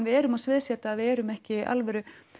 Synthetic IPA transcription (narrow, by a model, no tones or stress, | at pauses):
nvɪɛːɾʏmaðsvɪðsjɛːt̪aːðvɪðɛːɾʏmɛhcɪʔa̰lvɛɾʏ